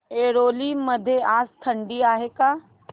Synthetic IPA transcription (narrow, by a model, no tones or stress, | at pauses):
eːɾoːlimɐd̪ʱːeaːst̪ʰə̃ɳɖiaːɦekaː